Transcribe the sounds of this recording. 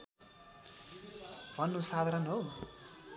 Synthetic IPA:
bʱʌnːusad̪ʱaɾʌnɦow

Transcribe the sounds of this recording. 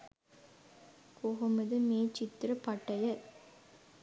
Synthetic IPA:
koɣɐmɐðɯmeːt͡ʃɪt̪ːɾɐpɐʈːɐjɐ

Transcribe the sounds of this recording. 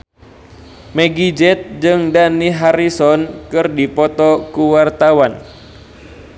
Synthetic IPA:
meɡid͡ʒɛt̪̚d͡ʒɨŋdaniɦaɾisɔnkɨrdipɔt̪ɔkuwart̪awan

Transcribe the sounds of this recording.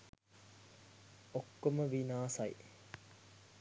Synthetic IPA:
okːoməʋinaːsɐjḭ

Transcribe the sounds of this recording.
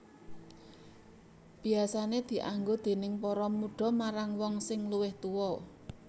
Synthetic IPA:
b̥i̤asaned̪̥i̤ʔaŋɡod̪̥e̤nɪŋpɔɾɔmuɖ̥ɔ̤maɾaŋwɔŋsɪŋluwɪht̪uwɔ

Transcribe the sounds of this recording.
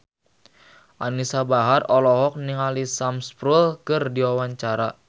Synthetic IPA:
ʔanisabaɦarɔlɔɦɔk̚niŋalisamspɾulkɨrdiwawaɲt͡ʃaɾa

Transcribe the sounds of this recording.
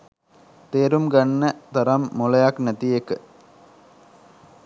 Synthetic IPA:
t̪eːɾumɡɐnːɐt̪ɐɾɐmːuɭɐjɐknɐt̪ijekːɨ

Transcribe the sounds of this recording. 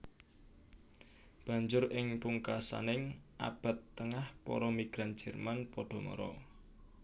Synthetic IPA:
b̥a̤ɲd͡ʒʊɾɪŋpuŋkasa̰nɪŋʔa̰b̥a̤t̪ːəŋahpɔ̰ɾɔmiɡ̥ɾand͡ʒ̥ɛ̤rmanpɔɖ̥ɔ̤mɔ̰ɾɔ

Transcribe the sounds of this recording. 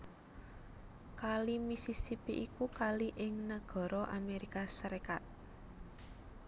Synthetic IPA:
kalimisisipiʔikukaliʔɪŋnəɡ̥ɔ̤ɾɔʔameɾikasəɾekat̪̚

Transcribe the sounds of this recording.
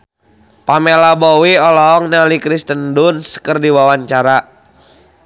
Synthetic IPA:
pamelabɔwiɔlɔːŋnalikɾist̪əndunskərdiwawaɲt͡ʃaɾa

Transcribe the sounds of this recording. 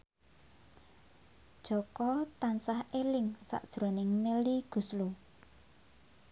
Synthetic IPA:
d̥ʒ̥ɔ̤kɔt̪ansahelɪŋsa̰ʔd̥ʒ̥ɾonɪŋmeliɡ̥ṳslu

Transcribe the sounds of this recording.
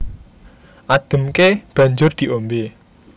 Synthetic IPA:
ʔad̪̥ə̤mkeb̥ä̤ɲd͡ʒʊrd̪̥i̤ʔombe

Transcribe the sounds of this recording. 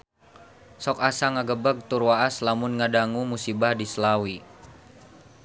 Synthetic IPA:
sɔkasaŋaɡəbəɡ̚t̪urwaʔaslamʊnŋadaŋumusibahdisəlawi

